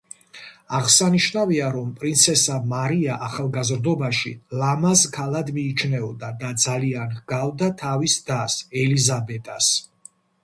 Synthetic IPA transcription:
aʁsaniʃnaviaɾɔmpʼɾint̪sʰɛsamaɾiaʔaχalˠɡazɾd̪ɔbaʃḭlamazkʰalˠad̪miːt͡ʃʰnɛɔd̪ad̪ad̪zalianhɡ̥avd̪at̪ʰavisd̪asɛlizabɛt̪ʼas

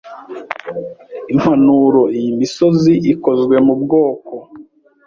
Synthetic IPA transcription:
im̥hanuɾo̞ijimiso̞ziʔiko̞zɡwe̞mubɡoːko

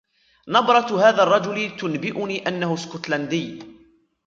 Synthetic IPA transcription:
nɑbɾˤɑt̪ɦaːðaːrˤːɑd͡ʒʊlɪt̪ʊnbɪʔʊniːʔanːahʊskʊt̪land̪ɪjː

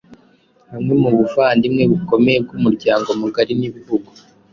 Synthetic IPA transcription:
hamŋe̞muβuvaːndimŋe̞βiko̞me̞jeb̚ɡumuɾɟaːŋɡomuɡaɾiniβiβuɡo

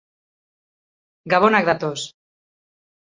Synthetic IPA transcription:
ɡaβonakðat̪os

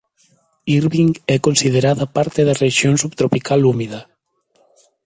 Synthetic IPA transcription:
iɾβiŋɛkonsið̞eɾaðɐpaɾt̪eðɐreʃjoŋsuβt̪ɾopikʰalumiðɐ

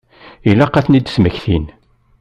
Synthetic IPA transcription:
ilæqːæθnid̪sməçθin

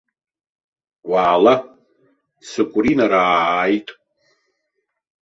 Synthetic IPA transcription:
waːla | sɨkʷʼʊrinaɾaːjtʼ

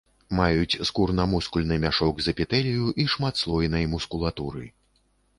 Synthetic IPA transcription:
majut͡sʲskurnɐmuskulʲnɨmʲaʂɔɡzɐpʲit̪ɛlʲijuʔiʂmat̪slˠɔjnɐjmuskulˠat̪uɾɨ̰

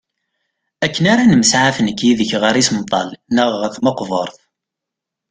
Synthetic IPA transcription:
ækːənaɾanəməsʕafənkːiðəçʁəɾisəmt̪ˤːɑlnəʁəθmɑqvə̰ɾˤθ

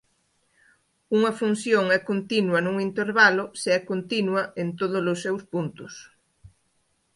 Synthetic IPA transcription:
uŋɐfun̟θjoŋɛkont̪inwɐnũŋint̪eɾβalʊseɛkont̪inwɐʔent̪oð̞ʊlʊsːɛwspunt̪ʊs

